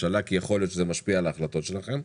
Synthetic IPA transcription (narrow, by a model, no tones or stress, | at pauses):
alakijeχo̞ljot̪ʃezemaʃpialaːχlat̪o̞t̪ʃe̞laχe̞m